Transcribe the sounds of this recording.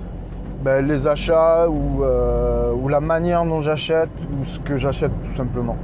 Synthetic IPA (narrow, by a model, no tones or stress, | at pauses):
bɛlezaʃauøulamanjɛʁd̪ɔ̃ʒaʃɛt̪usə̥kəʒaʃɛt̪ːu̥sɛ̃pləmɑ̃